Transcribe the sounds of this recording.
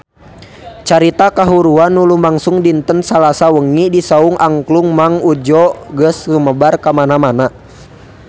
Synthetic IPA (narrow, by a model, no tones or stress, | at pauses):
t͡ʃaɾit̪akaɦuɾuanːulumaŋsuŋdint̪ənsalasawəŋidisauŋʔaŋkluŋmaŋud͡ʒɔɡəsluməbarkamanamana